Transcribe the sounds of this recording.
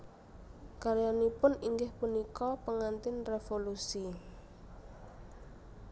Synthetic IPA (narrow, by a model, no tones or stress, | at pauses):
kaɾjanipʊniŋɡɪhpunikɔpəŋant̪ɪnrefolusi